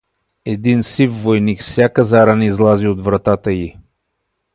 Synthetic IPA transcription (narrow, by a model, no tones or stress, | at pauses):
ɛd̪insifːojnikfsʲjakəzaɾanizlˠaziod̪vɾɐt̪at̪əji